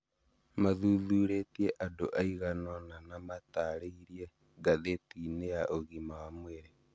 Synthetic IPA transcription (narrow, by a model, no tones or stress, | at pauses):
maðuðuːɾetieʔadoʔaiɣanɔnanamataɾeiɾie | ɡaðetinejaʔoɣimawamweɾe